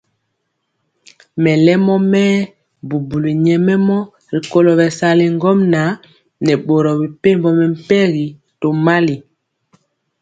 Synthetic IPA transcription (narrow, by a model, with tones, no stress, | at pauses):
mɛ˨lɛ˦mɔ˦mɛː˦ | bu˨bu˨li˨ɲɛ˨mɛ˦mɔ˦ | ɾi˨ko˦lɔ˨bɛ˨sa˦le˨ŋ˦ɡɔ˦mna˨˦ | nɛ˨ɓo˨ɾɔ˨bi˨pe˦mbɔ˨mɛ˨m̩˦pɛ˦ɣi˨ | to˨ma˦li˨